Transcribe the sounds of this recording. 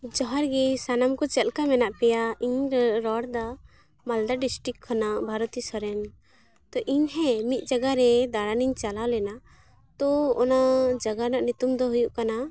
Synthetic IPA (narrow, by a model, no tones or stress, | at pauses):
d͡ʒɔɦaɾɡɛsanamkɔt͡ʃɛlkamɛnaʔpɛjaiɲɾɛɾɔɽd̪a | mald̪aɖisʈikʰːanaʔbʱaɾɔt̪isɔɾɛn | t̪ɔʔiɲɦɛmit̪̚d͡ʒaɡaɾɛd̪aɽaniɲt͡ʃalalɛna | t̪ɔɔnad͡ʒaɡanaʔnut̪umd̪ɔɦujuʔkana